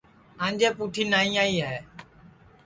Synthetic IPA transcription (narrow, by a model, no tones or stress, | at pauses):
ãːɲd͡ʒeːpuːʈʰiːnaːĩːaːiːaɛː